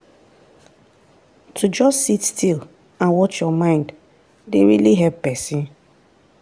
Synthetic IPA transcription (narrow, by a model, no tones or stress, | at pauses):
tʰud͡ʒɔstsitstʰil | ãnwɔt͡ʃjɔmãɪ̃nd | deɹiliɦɛppɛsĩn